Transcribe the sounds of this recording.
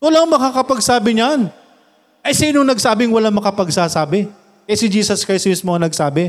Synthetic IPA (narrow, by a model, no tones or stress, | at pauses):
ɐlaŋmɐkakɐpɐɡsaːbɪɲan | ʔɐjsiːnoŋnɐɡ̚saːbɪŋwɐlaŋmɐkɐpɐɡsaːsaːbɪ | kɐasɪd͡ʒiːsɐskajsmɪsmoɐnɐɡ̚saːbɪ